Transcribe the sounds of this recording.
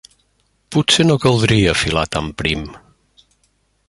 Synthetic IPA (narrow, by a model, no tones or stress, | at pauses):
pusenokəlˠd̪ɾiəfilat̪ampɾim